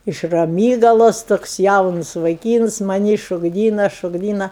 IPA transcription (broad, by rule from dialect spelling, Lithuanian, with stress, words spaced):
ɪʃ rɐˈmʲiːɡɐlˠoːsˈtoːks ˈjɛʊnʊs ʋɐɪˈkʲiːns mɐˈnʲiː ʃoːɡˈdʲiːnɐ ʃoːɡˈdʲiːnɐ